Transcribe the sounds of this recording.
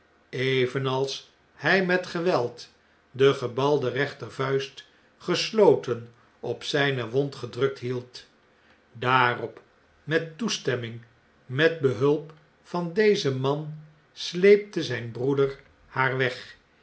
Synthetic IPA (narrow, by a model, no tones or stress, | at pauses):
eɪvənɑlˠs | hɛjmɛtχəʋɛlˠt | dəχəbɑlˠdərɛχtəɹvœɥst | χəslowtən | ɔpsɛjnəʋɔntχədrɵk̚tɦilˠt | daːrɔp | mɛtːustɛmɪŋ | mɛd̚bəɦɵlˠp | fɑndejzəmɑn | slejp̚təzɛjnbrudəɹ | haːɹʋɛχ